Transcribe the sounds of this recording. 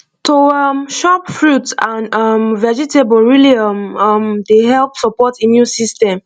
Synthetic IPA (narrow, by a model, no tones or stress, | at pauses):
toʌmʃɔpfɹutãnʌmvɛd͡ʒitebɔlɹiliʌmʌmdeɦɛlpsɔpɔtimjũnsistɛ̃m